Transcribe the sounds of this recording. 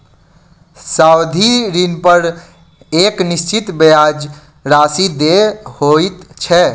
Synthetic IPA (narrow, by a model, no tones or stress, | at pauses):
sawd̪ʱiɾinpəɾ | eknist͡ʃit̪bejad͡ʒ | ɾasid̪ehoit̪t͡ʃʰɛ